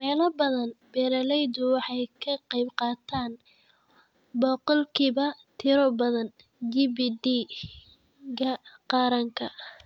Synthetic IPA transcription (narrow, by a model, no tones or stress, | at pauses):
mɛːlɐbɐðɐnbɛːɾɐlɛjd̪ʊwɑħɑjkʰɐqɑjbqɑːt̪ʰaːn | bɔːqɔlkʰiːβɐt̪ʰɪɾɔbɐðɐn | d͡ʒibiːd̪i | ɡɐqɑːɾɐŋkʰɐ